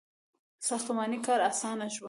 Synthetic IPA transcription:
sɑxt̪ʊmɑːnikɑːɾasɑːnaʃw

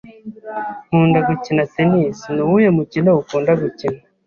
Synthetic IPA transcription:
huːndaɡucinasenisnuwujemucineukuːndaɡucina

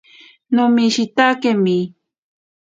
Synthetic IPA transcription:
nʊmiʃit̪akemi

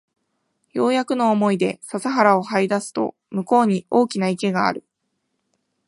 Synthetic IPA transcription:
jo̞ːjakɯ̟no̞ːmo̞id̪e̞sasaɦaɾao̞haid̪asɨ̥t̪o̞̰ | mɯ̟ko̞ːɲ̟io̞ːkʲinaike̞ɡa̰ːɾɯ̟

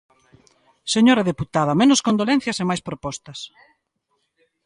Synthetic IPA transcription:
seɲoɾɐðeput̪aðɐmenʊskõnd̪olɛ̃n̟θjɐsemajspɾopɔst̪ɐs

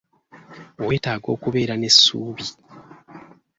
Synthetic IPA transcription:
owe̞ːtaːɡo̞ːkuβe̞ːɾane̞sːuːβi

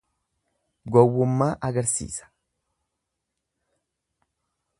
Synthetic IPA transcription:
ɡɔwːʊmːaːʔɐɡɐɾsḭːsɐ̥

